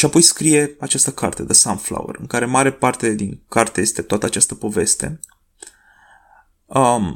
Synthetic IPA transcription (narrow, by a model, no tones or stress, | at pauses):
ʃiapo̞jskɾije̞at͡ʃast̪əkʰart̪ed̪əsamfla̰wḛrɨ̰ŋkaɾe̞maɾe̞part̪e̞d̪iŋkart̪eje̞st̪e̞t̪oat̪əat͡ʃast̪əpo̞ve̞st̪e̞̰ | ə